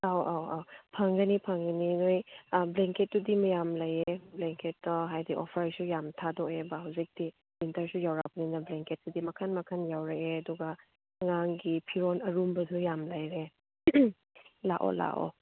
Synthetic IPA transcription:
awawawpʰaŋɡɐnipʰaŋɡɐninojbleŋket̚ːudimɐjamlajebleŋketːɔɦajdiʔɔpʰaɾsujamtʰadɔebaɦawzik̚d̥i | bintɐɾsujawɾawbɐninɐbleŋket̚sudimɐkʰanmɐkʰanjawɾakeɐduɡɐ | ɐŋaŋɡipʰiɾonɐɾumbɐdujamlajɾe | laʔo̰la̰ʔɔ̰

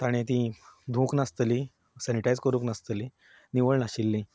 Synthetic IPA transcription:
t̪aɽ̃ẽt̪ĩd̪ʱũːknast̪li | saniʈajd͡zkəɾũːknast̪əli | niʋəɭnaɕilːĩ

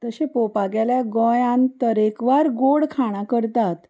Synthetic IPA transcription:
t̪əɕẽpopaɡjaljaɡɔ̃jãnt̪əɾekʋaɾɡoɽkʰaɽ̃akəɾt̪at̪

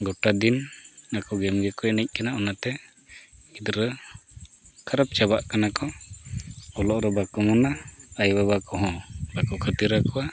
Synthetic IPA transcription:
ɡɔʈad̪inakɔɡɛmɡɛkɔɛnəc̚ˀkanaʔɔnat̪ɛ | id̪ɾə | kʰaɾəp̚t͡ʃabaʔkanakɔ | ɔlɔʔɾɔbakɔmɔnaajbabakɔɦɔ̃bakɔkʰət̪iɾakɔwa

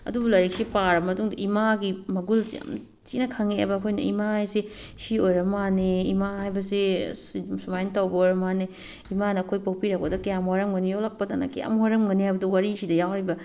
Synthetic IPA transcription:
ɐ̰dubɐlɐɾek̚sipaɾɐmɐtuŋdɐʔimaɡimɐɡulsḭɐ̰m | t͡ʃinɐkʰaŋeḛbɐːkʰojnɐ̰ḭmaajsi | siojɾɐmaneimahajbɐsisimsumajntɐwbɐojɾɐmane | imanɐːkʰojpawpiɾɐk̚pɐdɐkɐjamhaɾɐmɡɐnijolɐk̚pɐdanɐ̰kɐja̰mhaɾɐmɡɐnihajbɐdɐwaɾisidɐjawɾibɐ

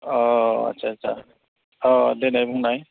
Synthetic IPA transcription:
ɔɐ̰tːsʰaːtːsʰa̰ | ɔlenajbuŋnaj

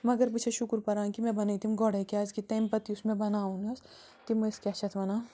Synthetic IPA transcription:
mɐɡəɾbit͡ʃʰeʃʊkɾpɐɾaːŋkimɛ̃bɐneit̪iɦũmɡɔɽekeaːd͡ʒkit̪ẽːmpɐt̪iʊsmẽbɐnaːũnɐs | t̪imɐskʲaʃɐt̪ʰʋɐnaː

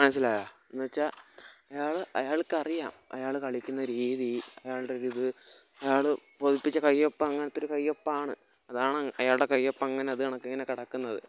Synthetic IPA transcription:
mɐnɐs̬ːilaːjaːnːoːt͡ɕːaɐjaːɭɨʔɐjaːɭkːɐrijaːmɐ̰jaːɭɨkɐɭikʲːunːɐɾiːðiɐjaːɭɨɽeoɾuðɨ | ɐjaːɭɨpoðipːit͡ɕːɐkɐjːopːɐɐŋːɐnɐt̪ːoɾukɐjːo̞pːaːɳɨ | ɐðaːɳɐjaːɭuɽe̞kɐjːo̞pːɐɐŋːɐne̞ɐðɨkɐɳɐkːeŋːɐne̞kiɽɐkːunːɐðɨ

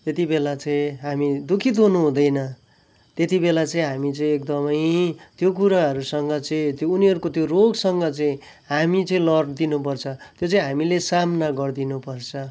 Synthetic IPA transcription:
t̪et̪ibelat͡sʌĩɦamid̪ukʰit̪ɦunuɦũd̪ʌjnʌ | t̪jet̪ibelat͡sʌĩɦamit͡sʌĩek̚d̪ʌmʌjt̪jok̬uɾaɦʌɾusʌŋɡʌt͡sʌĩt̪joːniɦʌɾukot̪joroɡsʌŋɡʌt͡sʌĩ | ɦamit͡sʌĩlʌrd̪inup̬ʌrt͡sʰʌt̪jot͡sʌĩɦamilesamnaɡʌrd̪inupʌrt͡sʰʌ

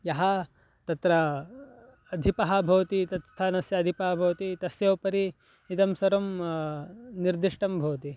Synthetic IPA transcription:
jɐɦɐ | t̪ɐt̪ɾɐː | d̪ʱipɐɦɐbʱɐʋɐt̪it̪ɐt̪st̪ʰːɐnɐsjɐːd̪ʱipɐɦɐbʱɐʋɐt̪it̪ɐsjɐʋpɐɾi | it̪ɐmsɐɾɐm | niɾd̪iʂʈɐmbʱɐwɐt̪i

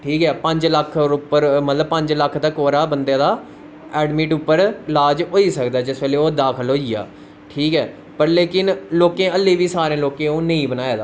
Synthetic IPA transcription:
ʈʰiːkɛːpəɲd͡ʒləkʰʊpəɾmət̪ləb̚pəɲd͡ʒləkʰd̪aːkoːɾaːbənd̪jãːd̪aː | ɛːɖmiːʈʊpːəɾlaːd͡ʒɦoːiːsəkd̪aːd͡ʒɪsʋɛːleːoːd̪aːkʰəlɦoːija̰ː | ʈʰiːkɛː | pəɾleːkɪnloːkẽːəlːeːʋiːsaːɾẽːloːkẽːõːnəĩːbənaːeːd̪aː

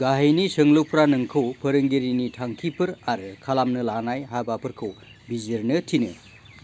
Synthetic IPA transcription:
ɡaɦejnisɯŋlowpʰɾanɯŋkʰɯwpʰɐɾɯŋɡeɾinitʰaŋkʰipʰɯɾaɾɯkʰalamnɯlanajɦabapʰɯɾkʰɯw | bizeɾnɯtʰinɯ

